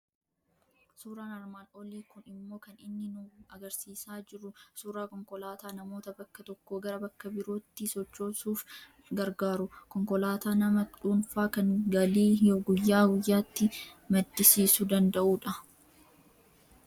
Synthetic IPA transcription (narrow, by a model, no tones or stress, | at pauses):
suːɾaːnɐɾmaːnoːliːkʊnɪmːo̞ːkɐnɪnːɪnʊɐɡɐɾsiːsaːd͡ʒɪɾʊsuːɾaːkɔŋkɔlaːt̪aːnɐmo̞ːt̪ɐbɐkːɐt̪ɔkːoːɡɐɾɐbɐkːɐbɪɾo̞ːt̪ːɪsɔt͡ʃːo̞ːsuːf | ɡɐɾɡaːɾʊkɔŋkɔlaːt̪aːnɐmɐᶑuːnfaːkɐŋɡɐliːjoɡʊjːaːɡʊjːaːt̪ːɪmɐd̪ːɪsiːsʊd̪ɐnd̪ɐʔuːᶑɐ